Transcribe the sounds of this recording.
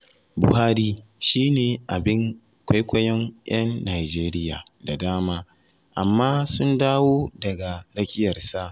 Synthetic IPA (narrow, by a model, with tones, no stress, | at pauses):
bʊ̰˨haː˦ɾiː˦ʃiː˦neː˨ʔa˨bɪ˦ŋ | kʷa˦jkʷɐ˦jɐ˦ŋʔj̰ɐ˦nːaː˨jd͡ʒeː˦ɾɪ˦ja̰ː˨da˨daː˦maː˦ | ʔa˨mːaː˦sʊ˦ndaː˦woː˦dɐ˨ɡa˨ɽɐ˦kʲɪ˦jɐ˨rsa˦